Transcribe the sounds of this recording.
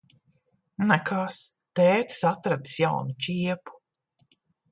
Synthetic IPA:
nɛkʰaːs | t̪ɛːt̪sat̪ɾad̪i̥sjawnut͡ʃʲiɛpu̥

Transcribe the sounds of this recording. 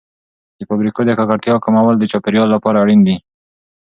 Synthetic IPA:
d̪̥efabɾikod̪ekakaɾt̪jɑkamawald̪ət͡ʃɑpeɾjɑlːapɑɾaɽind̪i

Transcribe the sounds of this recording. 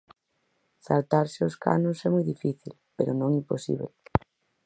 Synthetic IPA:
sa̰lt̪aɾseoska̰nʊsɛmɔjðifiθḭlpeɾonõŋimposḭβl

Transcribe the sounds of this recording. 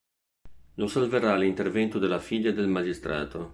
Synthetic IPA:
nosalveralint̪ervɛnt̪ud̪elafiʎːad̪elmad͡ʒist̪ɾa̰ːt̪o

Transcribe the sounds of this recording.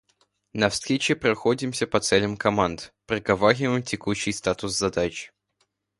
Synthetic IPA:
nɐfst̪ɾʲet͡ɕɪpɾɐxodʲɪmsʲəpɐt̪sɛlʲəmkɐmand̪pɾəɡɐvaɾʲɪvəjmtʲɪkuɕːɪjst̪at̪ʊszɐd̪at͡ɕ

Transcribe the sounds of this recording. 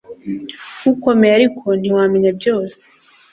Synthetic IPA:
ɡuko̞mejaɾikʰo̞n̥iwaːmeɲebjo̞ːse̥

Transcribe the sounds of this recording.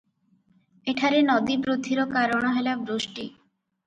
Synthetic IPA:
eʈʰaɾenɔd̪ibɾod̪ʱːiɾokaɾoɽ̃aɦelabɾoʃʈi

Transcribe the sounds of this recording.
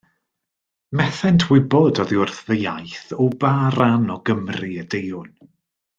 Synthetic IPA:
mɛθɛntʰwɪbɔdɔðiʊrθðəjajθɔbaːɾanɔɡəmriədejʊn

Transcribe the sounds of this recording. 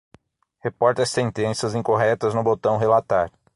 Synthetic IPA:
hepɔɾt̪ɐsẽnt̪ẽsiɐzĩŋkoɦɛt̪ɐznʊbot̪ɐ̃w̃ɦelat̪aɾ

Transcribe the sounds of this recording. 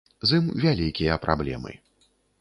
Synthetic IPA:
zɨmvʲalʲikʲijɐpɾa̰blʲɛ̰mɨ̰

